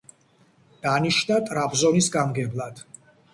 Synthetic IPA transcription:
d̪̥aniʃnat̪ʼɾapzɔnisɡamɡɛblˠad̪̥

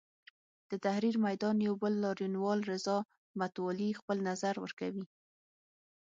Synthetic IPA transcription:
d̪̥ət̪ahɾiɾmajd̪ɑnjawbəlːɑɾjunwɑlɾɪzɑ | mat̪wɑlixpəlnazaɾwə̰ɾkawi

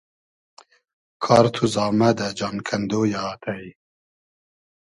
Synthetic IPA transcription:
kʰɑːɾt̪ʰuzɑːmɛd̪ɛd͡ʒɑːnkʰɛnd̪oːjat̪ʰɛi

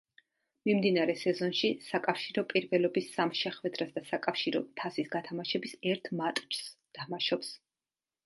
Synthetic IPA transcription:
mimd̪inaɾɛsɛzɔnʃisakʼafʃiɾɔpʼiɾvɛlɔbisamʃɛχwɛd̪ɾasd̪asakʼafʃiɾɔ̰t̪ʰasisɡat̪ʰamaʃɛbisɛɾt̪ʰmat̪ʼt͡ʃʰst̪ʰamaʃɔps

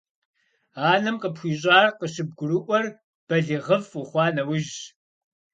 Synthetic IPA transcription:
aːnɨmqəpxʷiːɕ̬ʼaːrqəɕɪb̚ɡʷʊɾɨʔʷɔr | b̥ɐɮiʁəvʊχʷɑːnɐwʊʒ

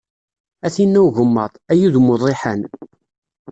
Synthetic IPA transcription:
æθinːæwʝəmːɑðˤæjuðmʊðˤeħən

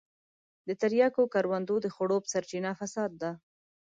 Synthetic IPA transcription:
d̪ət̪aɾjɑkokaɾwand̪od̪əxoɽopə̥saɾt͡ʃinafasɑd̪̚ːa

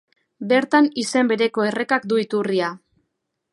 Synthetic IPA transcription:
be̞ɾt̪anise̞mbe̞ɾe̞ko̞e̞re̞kak̚d̪uit̪uria

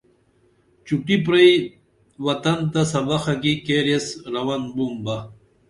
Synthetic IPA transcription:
t͡ɕuʈip̬ɾɐj | wɐt̪ɐnt̪asɐbaxakikeɾesɾɐwanbumba

